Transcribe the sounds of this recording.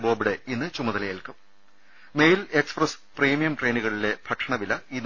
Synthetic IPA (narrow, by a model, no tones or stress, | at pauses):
boːbiɽeinːɨt͡ɕumɐðɐlɐjilkɨ | mejle̞ksprɐs | priːmijɐmʈre̞ːnuɣɐɭile̞bʰʱɐʈʂʰɐɳɐʋilɐinː